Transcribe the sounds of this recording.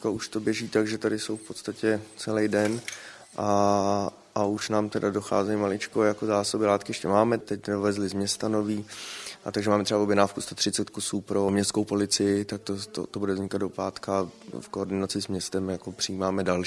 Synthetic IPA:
kauʃt̪o̞bjɛʒiːt̪aɡʒɛt̪adɪsowfpo̞t̪st̪acɛt͡sɛlɛjdɛn | ʔa | ʔauʃnaːmt̪ɛdado̞xa̰ːzɛjmalɪt͡ʃkojako̞zaːsobɪlaːt̪kɪjɛʃcɛmaːmɛt̪ɛcdovɛzlɪzmɲɛst̪ano̞viːʔat̪aɡʒɛmaːmɛt̪ɾrɛbavobjɛnaːfkust̪ot̪r̝ɪt͡sɛt̪kusuːpɾo̞mɲɛst̪skowpo̞lɪt͡sɪjɪt̪ak̚t̪ot̪o̰t̪obudɛvzɲɪkad̪do̞paːt̪kafkoːɾdɪnat͡sɪsmɲɛst̪ɛmjako̞pr̝̥ɪiːmaːmɛdal

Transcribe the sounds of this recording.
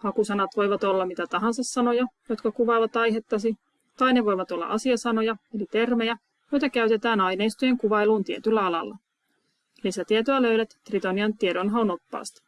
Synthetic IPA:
hɑkusɑnɑt̪ʋo̞jʋɑt̪o̞lːɑmit̪æt̪ɑɦɑnsɑsːɑno̞jɑjo̞t̪kɑkuʋɑːʋɑt̪ɑjɦe̞t̪ːɑsi | t̪ɑjneʋo̞jʋɑt̪o̞lːɑ̰ʔɑsiɑsɑno̞jɑelit̪e̞rmejæ | jo̞jt̪ɑkæyt̪e̞t̪æːnɑjne̞jst̪ojeŋkuʋɑjluːnt̪iet̪ylːæɑlɑ̰lːɑ̰ | lisæt̪iet̪oɑløɥɾæt̪ːrit̪oniɑnt̪ieɾo̞nɦɑono̞pːɑ̰ːst̪ɑ̥

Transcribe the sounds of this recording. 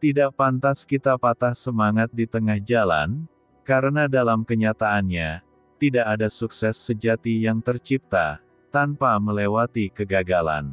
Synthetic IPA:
t̪idaʔ̚pant̪askit̪apat̪ahsəmaŋat̪̚dit̪əŋahd͡ʒala̰n | kaɾənadalamkəɲat̪aʔːnɲa | t̪idaʔadasuksɛsːəd͡ʒat̪ijaŋt̪ərt͡ʃip̚t̪a̰ | t̪anpaməlewat̪ikəɡaɡala̰n

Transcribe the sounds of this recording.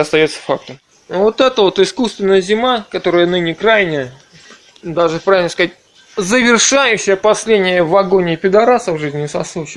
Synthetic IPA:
ɐst̪ɐjo̞t̪sːə̥fak̚t̪əm | vo̞t̪ɛt̪əvo̞t̪ɪskust̪vʲɪnːəjəzʲɪmakɐt̪o̞ɾəjənɨnʲɪkɾajnʲəjə | d̪aʐɨpɾavʲɪlnəskɐzat̚ʲ | zəvʲɪrʂajʉɕːɪjəpɐsʲlʲedʲnʲɪjəvɐɡonʲɪpʲɪd̪ɐɾasəvʐɨzʲnʲɪsɐslˠut͡ɕɪ

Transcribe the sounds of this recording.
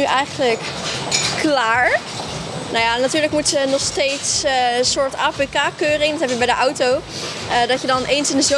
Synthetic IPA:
yʔɛjχənləkː | laːɹ | nowjanatyːɹləkmutsənɔχstejtssʊːɹtaːpekaːkøːrɪŋdɔtɦɛpjəbɛjdəʔɔwtow | ədɑtjədɑnʔejnsɪndəzo

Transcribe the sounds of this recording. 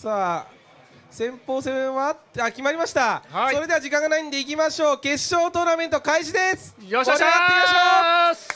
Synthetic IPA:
saː | sẽ̞mpo̞ːsẽ̞βat̪akʲimaɾʲimaɕi̥t̪aso̞ɾe̞d̪e̞βad͡ʑikãŋɡanaind̪e̞ik̬ʲimaɕo̞ːke̞ɕo̞ːt̪o̞ːname̞nt̪okaiʑid̪e̞sɨ̥ɾat̪ːeimaɕoː

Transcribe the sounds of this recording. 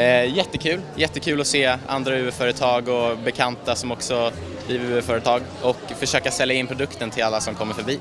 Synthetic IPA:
jɛt̪ːəkʰʉ̟ːljɛt̪ːəkʰʉ̟ːlɔseːa̰nd̪ɾaʉ̟ːəfœːɾət̪ʰɑːɡɔbɛkʰant̪asɔmɔksɔ | bliːvəɾʉ̟ːəfœːɾət̪ʰɑːɡ | ɔkfœʂøːkasɛlːjaɪnpʰɾʊd̪ɵkt̪ənt̪ʰɪlalːasɔmkʰɔmːəɾfœɾbiː

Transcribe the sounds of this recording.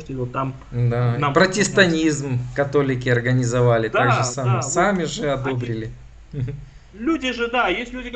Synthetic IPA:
t̪ʲɪot̪ːam | d̪apɾətʲɪst̪ɐnʲizmkɐt̪o̞lʲɪkʲɪɐrɡənʲɪzɐvalʲɪt̪aɡʐɨsamɨsamʲɪʐɨɐd̪o̞bɾʲɪlʲɪ | lʲudʲɪʐɨd̪ajesʲtʲlʲudʲɪk

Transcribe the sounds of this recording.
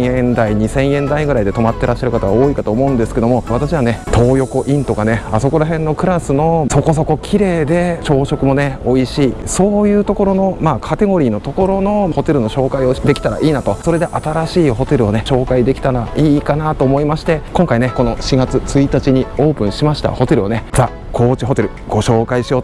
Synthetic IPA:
ẽnd̪aiɲ̟isẽ̞ɰ̃ẽ̞nd̪aiɡɯ̟ɾaid̪e̞t̪o̞mat̪ːe̞ɾaɕːaɾɯ̟kat̪aβaoːikat̪o̞ːmo̞ɯ̃nd̪esɨ̥ke̞d̪o̞moβat̪aɕiβ̞ane̞t̪ʰo̞ːjo̞ko̞ʔĩnt̪o̞ɡane̞aso̞ko̞ɾaɦẽ̞nːo̞kɯ̟ɾasɨno̞so̞ko̞so̞ko̞kʲʰiɾe̞ːd̪e̞t͡ɕo̞ːɕo̞kɯ̟mo̞ne̞o̞iɕiːso̞ːjɯ̟ːt̪o̞ko̞ɾo̞no̞maːkʰat̪e̞ɡo̞ɾʲiːno̞t̪o̞ko̞ɾo̞no̞ho̞t̪e̞ɾɯ̟no̞ɕo̞ːkaio̞d̪e̞kʲi̥t̪aɾa̰ʔiːnat̪o̞so̞ɾe̞d̪e̞ʔat̪aɾaɕiːɦo̞t̪e̞ɾɯ̟one̞ɕo̞ːkaid̪e̞kʲi̥t̪aɾaiːkanat̪oːmoimaɕi̥t̪e̞kõ̞ŋkaine̞ko̞no̞ɕiɡat͡sɨt͡sɨit̪at͡ɕiɲ̟io̞ːpɯ̟̃ɰ̃ɕimaɕi̥t̪a̰ho̞t̪e̞ɾɯ̟one̞z̥aː | ko̞ːt͡ɕiɦo̞t̪e̞ɾɯ̟ | ɡ̥o̞ɕo̞ːkaiɕijo̞ːt̪

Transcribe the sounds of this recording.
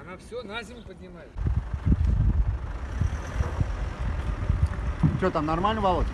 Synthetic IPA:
anafsʲonazʲɪmʲpəd̪ʲnʲɪmajɪt̪ | fsʲot̪amnarmalʲnəvalˠokʲɪ

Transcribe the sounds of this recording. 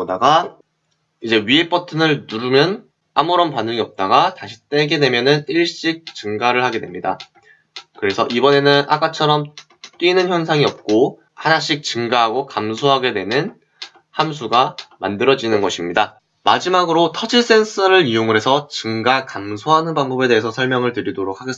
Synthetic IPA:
daɡa | id͡ʑe̞ɥiep͈ʰʌtʰɯnɯɭnuɾumjʌn | amɯɾʌnpanɯŋiʌp̚t͈aɡataɕʰi̥t͈e̞ɡe̞dwe̞mjʌnɯniɭɕ͈ik̚t͡ɕɯŋɡaɾɯɭhaɡe̞dwe̞mɲida̰ | kɯɾe̞sʰʌʔibʌne̞nɯnʔa̰k͈at͡ɕʰʌɾʌm | t͈winɯnçjʌnsʰaŋiʌp̚k͈o | hanaɕ͈ik̚t͡ɕɯŋɡaɦaɡokamsʰoɦaɡe̞dwe̞nɯn | hamsʰuɡama̰ndɯɾʌd͡ʑinɯnɡʌɕʰimɲida | mad͡ʑimaɡɯɾotʰʌd͡ʑis͈e̞ns͈ʰɯɾɯɭijoŋɯɾɦe̞sʰʌt͡ɕɯŋɡakamsʰoɦanɯnpaŋbʌbe̞de̞ɦːsʰʌsʰʌɭmjʌŋɯɭtɯɾidoɾok̚ʰaɡes

